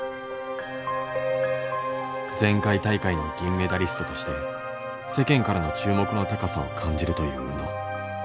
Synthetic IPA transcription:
d͡zẽ̞ŋkait̪aikainoɡʲĩmːe̞d̪aɾʲisɨ̥t̪o̞t̪o̞ɕi̥t̪e̞ | se̞kẽ̞ŋkaɾano̞t͡ɕɨːmo̞kɯ̟no̞t̪e̞kasao̞̰kʰãɲ̟d͡ʑiɾɯ̟t̪o̞jɯ̟ːno

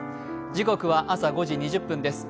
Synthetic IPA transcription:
d͡ʑiko̞kɯ̟βaʔasaɡo̞ʑiɲ̟iʑɯpːɯ̃nd̪e̞sɨ̥

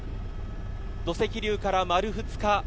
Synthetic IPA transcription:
d̪̥o̞se̞kʲiɾʲɨːkaɾamaɾɯ̟ɸɯ̟t͡sɨ̥ka

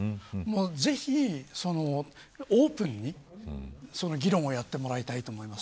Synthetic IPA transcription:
moːze̞çiso̞no̞ | oːpɯ̟̃ɲ̟ːi | so̞noɡʲiɾõ̞ɰ̃o̞jat̪ːe̞mo̞ɾait̪ait̪o̞ːmo̞imas

